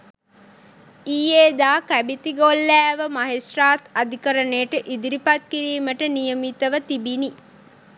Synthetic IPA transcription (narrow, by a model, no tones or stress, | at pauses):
ijeːd̪aːkæbit̪iɡolːæːʋəmɐɦesraːt̪ad̪ʱikəɾənejʈəʔid̪iɾipat̪̚kiɾiːməʈənijəmit̪əʋət̪ibini